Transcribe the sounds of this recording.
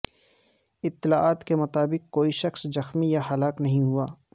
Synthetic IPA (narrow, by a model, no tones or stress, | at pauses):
ɪt̪ːɪlaːaːt̪kemʊt̪aːbɪkkːoːiʃɐxszɐxmijahɐlaːknɐɦĩɦuaː